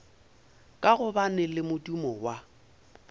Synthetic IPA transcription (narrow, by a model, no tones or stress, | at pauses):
kʼaɣʊbanɪlɪmʊdumɔwa